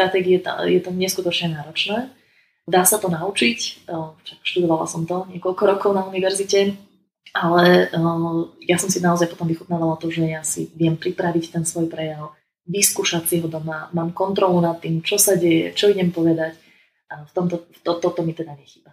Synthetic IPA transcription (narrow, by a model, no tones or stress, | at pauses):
t̪ɾat̪ɛːɡiɛt̪jɛt̪ɔɲɛskut̪ɔt͡ʃɲɛnaːɾɔt͡ʃnɛː | d̪aːsat̪ɔnaut͡ʃicʃakʃt̪ud̪ɔʋala̰sɔmt̪ɔɲɪɛkɔʎkɔɾɔkɔʊnauniʋɛɾzicɛ | ʔalɛ | jasɔmsinaɔzajpɔt̪ɔmʋixut̪naːʋalat̪ɔʒɛjasḭʋɪɛmpɾipɾaʋict̪ɛnsʋɔjpɾɛjaʊ | ʋiskuːʃasiɦɔd̪ɔmamaːmkɔnt̪ɾɔlunat̪ːimt͡ʃɔsaɟɛjɛ̰t͡ʃɔiɲɛmpɔʋɛd̪ac | ʔaft̪ɔmt̪ɔft̪ɔt̪ɔt̪ɔmit̪ɛd̪aɲɛxi̥ːba